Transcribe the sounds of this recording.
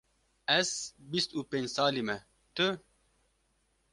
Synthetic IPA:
ɛzbist̪upeːɲd͡ʑsaːlimɛ | t̪ɨ

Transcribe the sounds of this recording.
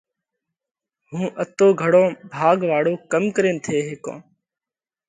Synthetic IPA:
ɦũːʔət̪oːɡʱəɽõːbʱaːɡʋaːɽoːkəmkəɾẽːnt̪ʰeːɦeːkõ̰ː

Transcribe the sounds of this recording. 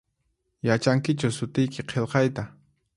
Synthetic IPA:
jat͡ʃaŋkɪt͡ʃʊsʊt̪ɪjkɪqʰelqɑjt̪a

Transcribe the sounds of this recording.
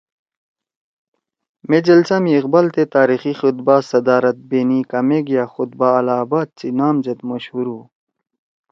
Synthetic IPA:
med͡ʑɐlt͡samiːqbalt̪et̪aːɾixixut̪̚baːsɐd̪aːɾɐt̪̚beːnikɐmeɡjaːxʊt̪̚baːlaːbaːt̪̚t͡sinaːmd͡ʑɐt̪mɐɕhuɾuː

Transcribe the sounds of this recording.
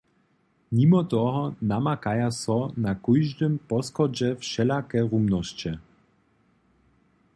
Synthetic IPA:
mimɔt̪ɔɦɔnamakajasɔnakujʒd̪ɘmpɔskɔd͡ʑɛfʃɛlakɛɾumnɔɕt͡ɕɛ

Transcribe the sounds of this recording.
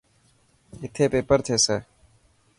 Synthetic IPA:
ɪt̪ʰeːpeːpəɾt̪ʰeːseː

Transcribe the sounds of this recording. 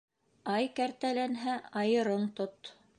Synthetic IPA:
ɑjkæɾt̪ælænɦæɑjɤ̆ɾɤɴt̪ot̪

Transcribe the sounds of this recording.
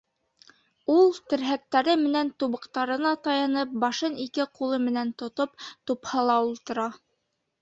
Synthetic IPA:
ulˠt̪ɘ̆ɾɦæk̚t̪æɾɘmɘ̆nænt̪uβɤ̆qt̪ɑɾɤ̆nɑt̪ɑjɑnɤp̚bɑʃɤnikɘqulˠɤmɘ̆nænt̪ŏt̪op̚t̪uphɤlˠɑulˠt̪ɤ̆ɾɑ

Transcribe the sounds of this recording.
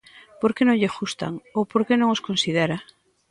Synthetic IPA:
poɾkenõŋʎeʃust̪a̰ŋopoɾkenõŋoskõnsið̞eɾa

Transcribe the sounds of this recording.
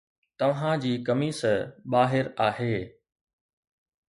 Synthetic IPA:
t̪ɐʋɦãd͡ʑiːkɐmiːsəɓaːɦɪɾaːɦeː

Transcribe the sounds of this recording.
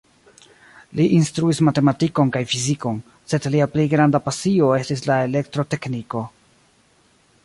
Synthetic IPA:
liʔinstɾuismate̞matiko̞nkajfiziko̞n | se̞dliaplejɡɾandapasio̞e̞stislae̞le̞ktɾo̞te̞kniko̞

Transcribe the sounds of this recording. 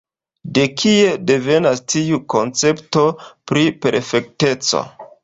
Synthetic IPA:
de̞kʰie̞de̞ve̞nastiuko̞nt͡se̞pto̞pɾipe̞ɾfe̞k̚te̞t͡so̰

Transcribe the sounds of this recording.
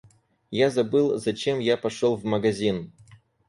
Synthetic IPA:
jazɐbɨlˠzɐt͡ɕemjapɐʂolˠvməɡɐzʲin

